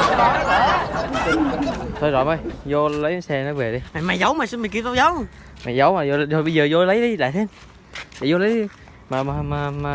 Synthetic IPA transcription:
t̪ʰo˧jzɔ̰˨mə˧˩jzo˧lə˨˦jsɛ˧nɔ˨˦jve˨˩ɗi˧ma˨˩jmaː˨˩jzə˨˦wmaː˨˩sɨ˧˥mi˨˩ŋki˧wt̪a˧zə˨˦w | maː˨˩jzə˨˦wmaː˨˩jo˧o˨˩ɓə˧zəː˨˩zo˧lə˨˦jɗi˨˧la̰ː˧˨t̪ʰe˧n | a̰˨˩jzo˧lə˨˦j | maː˨˩maː˨˩maː˨˩ma˨˩

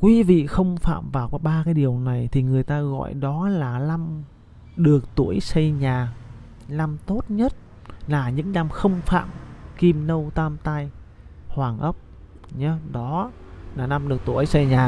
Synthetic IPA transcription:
kwi˨˦vḭ˧˨xə˧wŋ͡mfa̰ː˧˨mvaː˨˩wkɔ˨˦ɓaː˧kaː˨˦jɗi˨˩əwna˨˩jt̪ʰi˨˩ŋɨ˨˩əjt̪aː˧ɣɔ̰˧˨jɗɔ˨˦laː˨˩la˧m | ɗɨ˨˩ək̚t̪u˧˩əjsə˧jɲaː˨˩ | la˧mt̪o˦˥t̚ɲə˦˥t̚ | laː˨˩ɲɨ̰˧˥ŋna˧mxə˧wŋ͡mfa̰ː˧˨mki˧mnə˧wt̪aː˧mt̪a˧j | hwaː˨˩ŋʔə˦˥p̚ | ɲa˧˦ɗɔ˨˦ | laː˨˩na˧mɗɨ˨˩ək̚t̪u˧˩əjsə˧jɲaː˨˩

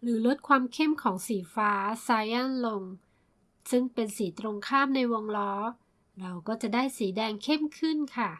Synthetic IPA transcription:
ɾɯː˩˦lo˦˥t̪̚kʰwaː˧mkʰe˥˩mkʰɔː˩˦ŋsiː˩˦faː˦˥saː˧jʔa˥˩nlo˧ŋ | sɯ˥˩ŋpe˧nsiː˩˦t̪ɾo˧ŋkʰaː˥˩mna˧jwo˧ŋlɔː˦˥ | ɾa˧wkɔː˥˩t͡ɕa˨˩ʔdaː˥˩jsiː˩˦dɛː˧ŋkʰe˥˩mkʰɯ˥˩nkʰa˥˩

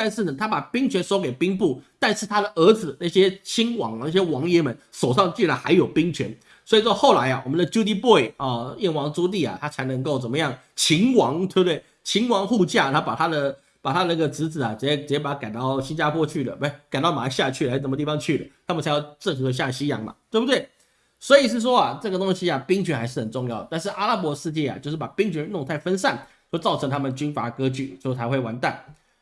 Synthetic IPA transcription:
t̪a˥˧nʂɻ̩˥˩nə˨˩t̪ʰa˥pa˨˩pi˥ŋt͡ɕʰɥɛ˧˥nʂo˥ʊke˨˩ɪpi˥ŋpu˥˩t̪a˥˧nʂɻ̩˥˩t̪ʰa˥d̪ə˨ʔə˧˥d͡zɹ̩˩na˥˩ɕjɛ˥t͡ɕʰi˥nwɑ̰˧˥ŋ˨˩na˥˩ɕ̬jɛ˥wɑ˧˥ŋjɛ˥mə˨nʂo˨˩ʊʂɑ˥˧ŋt͡ɕy˥˩la˧˥xa̰˧˥ɪjo˨˩ʊpi˥ŋt͡ɕʰɥɛ̰˧˥n | swɔ˧˥i˨˩ʂwɔ˥˧xo˥˩ʊla˧˥ɪa˧˨wɔ˨˩mə˦nd̪ə˧t͡ɕju˥t̪i˥pɔ˥˩ɪɔ˥˨jɛ˥˩nwɑ˧˥ŋt͡su˥t̪i˥˩a̰˨˩t̪ʰa˥t͡sʰa˧˥ɪnə˧˥ŋko˥˩ʊt͡sə˨˩nmə˦jɑ˥˩ŋ | t͡ɕʰi˧˥ŋwɑ˧˥ŋt̪we˥˩bə˧t̪we˥˩ɪ | t͡ɕʰi˧˥ŋwɑ˧˥ŋxu˥˧t͡ɕja˥˩t̪ʰa˥pa˨˩t̪ʰa˥d̪ə˨ | pa˨˩t̪ʰa˥d̪ə˧na˥˩ɡə˩t͡sɹ̩˧˥t͡sɹ̩˨˩a˩t͡s̩˨˩jɛ˥˩t͡s̩ə˨˩ɛ˥˩pa˨˩a˥ka˨˩nt̪ɑ˥˩ʊɕi˥nt͡ɕja˥pʰwɔ˥t͡ɕʰy˥˩lə̰˩e˥˩ɪka˨˩nt̪ɑ˥˩ʊma˧˥˧ɕja˥˧t͡ɕʰy˥˩a˧˥˩ʂə˧˩mə˧t̪i˥˩ɑ˧˥ŋt͡ɕʰy˥˩lə˨˩t̪ʰa˥mə˨t͡sʰa˧˥ɪjʊʈ͡ʂə˥˧ŋxɤ˧˥d̪ə˧ɕja˥˩ɕi˥jɑ˧˥ŋma̰˨˩t̪we˥˩bu˨t̪we˥˩ɪ | swɔ˧˥i˨˩ʂ̬ɻ̩˥˩ʂ̬wɔ˥a˨ʈ͡ʂɤ˥˩ɡə˩t̪o˥ŋɕi˥a˨pi˥ŋt͡ɕʰɛ˧˥xa˧˥ɪʂɻ̩˥˩xə˨˩nʈ͡ʂʊ˥˧ŋjɑ˥˩ʊd̪t̪a˥˧nʂ̬ɻ̩˥˩ʔa˥la˥pwɔ˧˥ʂɻ̩˥˧t͡ɕjɛ˥˩a̰˩t͡ɕjo˥˧ʊʂɻ̩˥˩pa˨˩pi˥ŋt͡ɕʰy˧˥nlʊ˥˧ŋt̪ʰa˥˩ɪfə˥nsa˥˩n | t͡ɕt͡sɑ˥˩ʊɤ˧˥ŋt̪ʰa˥mə˨nt͡ɕy˥nfa˧˥kɤ˥t͡ɕy˥˩o˥˧˥a˧˥xwe˥˩ɪwa˧˥nt̪a˥˩n

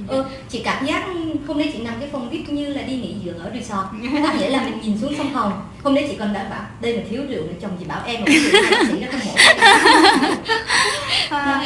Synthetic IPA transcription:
ʔɨː˧˩ | t͡ɕḭ˧˨kaː˨˧˩mzaː˦˥k̚hə˧wŋ͡mnə˨˦jt͡ɕḭ˧˨na˨˩mkaː˨˦jfə˨˩wŋ͡mvi˦˥t̚ɲɨ˧laː˨˩ɗi˧ŋḭ˧˥zɨ̰˧˨əkʔəː˧˩ɗi˨˩sɔ˧˩ | kɔ˨˦ŋḭ˧˩əlaː˨˩mï˨˩ŋ̟ɲi˨˩nsu˨˦əŋsa˧wŋ͡mxə˨˩wŋ͡m | hə˧wŋ͡mnə˨˦t͡ɕḭ˧˨kɔ˨˩nɗa̰ː˧˩ŋɓaː˧˩wɗə˧jmaː˨˩t̪ʰi˨˦əwlɨ̰˨˧˨əw̚ɗə˨˩t͡ɕɔ˨˩ŋ͡mzḭ˨˧˨ɓaː˧˩wʔɛ˧m˨˩˦sḭ˧˨nɔ˨˦kɔ˧mo̰˧˦˨

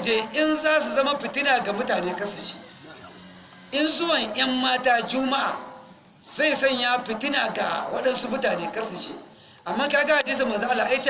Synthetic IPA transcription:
d͡ʒeː˦ʔɪ˦nzaː˦s̬u˨zɐ˦ma˦ɸɪ˨tɪ˦naː˨ɡa˨mʊ˦taː˨neː˦kɐ˦ɾsɐ˨ʃe̥ː˦ | ʔɪ˦nsʊ˦wɐ˨ɲjɐ˦mːaː˦taː˦d͡ʒʊ˦ma˦ʔa̰˨ | z̥a˦˨jsɔ˦˨ɲjaː˦ɸɪ˨tɪ˦naː˨ɡa̰˨wɐ˦ɗɐ˦nsu˦mʊ˦taː˨neː˦kɐ˦rsɐ˨ʃḛː˦ | ʔa˨mːaː˦kaː˦ɡɐ˦ʔa˨d͡ʒeː˦s̬a˨mɐ˨n˨za˦ʔa˦lːaː˨ʔa˦jt͡ʃe˦

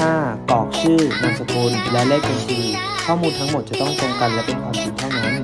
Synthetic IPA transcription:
aː˥˩t̪ɔː˨˩k̚sʰɯː˥˩na˧ŋsa˧kuː˧nlɛ˦˥wlɛː˥˩k̚ka˧nkʰɯː˧ | kʰɔː˥˩muː˧nt̪ʰa˦˥ŋmo˨˩t̪̚t͡ɕa˨˩t̪ɔ˥˩ŋt̪o˧ŋka˧nla˧ba˨˩kʰaː˧mpʰiː˧nt̪ʰa˥˩wna˦˥n

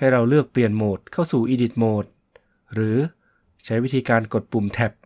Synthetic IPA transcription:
ha˥˩jɾa˧wlɯ˥˩ək̚pli˨˩ənmoː˨˩t̪̚kʰa˥˩wsuː˨˩ʔiː˧di˨˩t̪̚moː˨˩t̪̚ | ɾɯː˩˦ | t͡ɕʰa˦˥jwi˦˥t̪ʰiː˧kaː˧nko˨˩t̪̚pu˨˩mt̪ʰɛ˨˩p̚

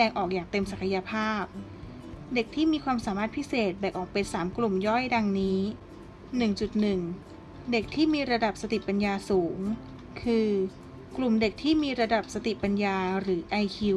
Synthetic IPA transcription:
dɛː˧ŋʔɔː˨˩k̚jaː˨˩k̚t̪e˧msa˨˩kʰa˧ja˧pʰaː˥˩p̚ | de˨˩k̚t̪ʰiː˥˩miː˧kʰwaː˧msaː˩˦maː˥˩t̪̚pʰi˦˥seː˨˩t̪̚bɛː˨˩k̚ʔɔː˨˩k̚pe˧nsaː˩˦mklu˨˩mjɔ˥˩jda˧ŋniː˦˥ | nɯ˨˩ŋt͡ɕu˨˩t̪̚nɯ˨˩ŋ | de˨˩k̚t̪ʰiː˥˩miː˧ɾa˧da˨˩p̚sa˧t̪i˨˩pa˧njaː˧suː˩˦ŋ | kʰɯː˧ | klu˨˩mde˨˩k̚t̪ʰiː˥˩miː˧ɾa˧da˨˩p̚sa˧t̪i˨˩pa˧njaː˧ɾɯː˩˦ʔa˧jkʰi˧w

